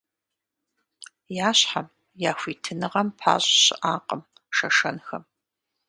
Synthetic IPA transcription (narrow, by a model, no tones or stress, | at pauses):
jaːɕħam | jaːxʷiːtʰɨnɨʁɐmpʰa̰ːɕʼɕɪʔaːqʼəm | ʂɐʂɐnxɐm